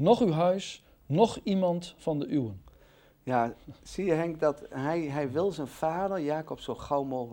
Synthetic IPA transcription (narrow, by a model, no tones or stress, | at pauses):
nɔχywɦœɥs | nɔχimɑntfɑndəʔywən | jasiəɦɛŋkdɔtɦɛjɦɛjʋɪlˠzənfaːdəɹjaːkɔpsoχawmoːχ